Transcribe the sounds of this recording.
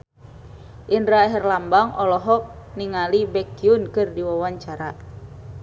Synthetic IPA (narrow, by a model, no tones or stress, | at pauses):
ʔinɾaɦɛrlambaŋɔlɔɦɔk̚niŋalibɛkiunkɨrdiwawaɲt͡ʃaɾa